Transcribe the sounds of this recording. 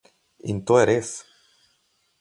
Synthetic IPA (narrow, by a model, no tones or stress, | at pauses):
ḭnt̪ueɾes